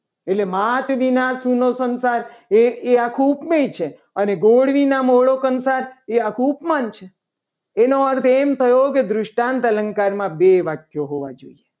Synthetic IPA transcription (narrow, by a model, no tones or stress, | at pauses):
eʈlemat̪ʋinasunosənsaɾeeakʰũupmejt͡ʃʰe | əneɡoɽʋinamoɭokənsaɾeakʰũupmant͡ʃʰeː | noəɾt̪ʰemt̪ʰəjoked̪ɾʊʃʈant̪ələ̃ŋkaɾmãbeʋak̪ʰjoɦoʋa̰d͡ʒo̰ie